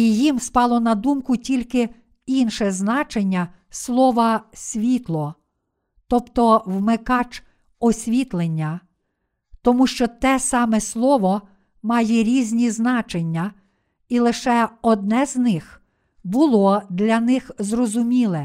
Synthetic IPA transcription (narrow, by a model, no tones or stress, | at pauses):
ijimspɑlˠɔnɐd̪umkʊtʲilʲkɪ | inʃɛznɑt͡ʃenʲːɐ | slˠɔʋɐsʲʋʲit̪lˠɔ | t̪ɔpt̪ɔwmɪkɑt͡ʃ | ɔsʲʋʲit̪lˠenʲːɐ | t̪ɔmuʃt͡ʃɔt̪ɛsɑmɛslˠɔʋɔ | mɑjɛɾʲizʲnʲiznɑt͡ʃenʲːɐ | ilˠɪʃɛɔd̪̚nɛznɪx | bʊlˠɔd̪lʲɐnɪxzrɔzʊmʲilˠɛ